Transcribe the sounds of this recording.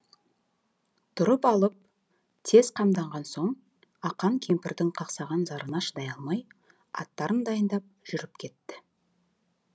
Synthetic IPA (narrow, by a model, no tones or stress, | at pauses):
t̪ʰʊɾəpɑlˠəp̚ | t̪ʰe̞z̥qʰɑmd̪ɑɴʁɑnso̞ɴ | ɑqɑŋkʲʰe̞mpɪɾd̪ɪŋqʰɑqsɑʁɑnzɑɾənɑʃəd̪ɑjɑlˠmɑj | ɑ̰t̪ːɑɾənd̪ɑjənd̪ɑp̚ʒ̥ʏɾɪpkʲʰe̞t̪ːɪ